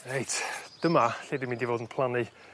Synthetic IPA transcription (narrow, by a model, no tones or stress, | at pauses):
ejtʰd̥əmaɬeːdɪmĩndivoːdn̩pʰlˠani